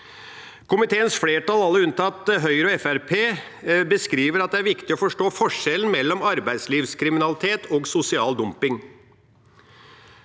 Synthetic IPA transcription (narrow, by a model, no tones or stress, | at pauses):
kʊmɪt̪ʰeːənsfleːʈɑlɑlːəʉnt̪ʰɑt̪ɦœʏɾɔɛfæɾpʰeː | bəskɾiːʋəɾɑt̪̚d̪ɛæɾʋɪkt̪ɪɔfɔʂʈoːfɔʂɛln̩mɛlːɔmɑɾbæɪd̪sliːʋskʰɾɪmɪnɑlɪt̪ʰeːt̪ʰoːɡsʊsɪɑːld̪ʊmpɪŋ